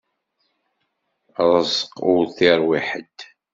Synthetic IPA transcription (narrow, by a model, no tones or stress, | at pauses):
ɾˤəzəqʊɾθiɾˤwiħəd̪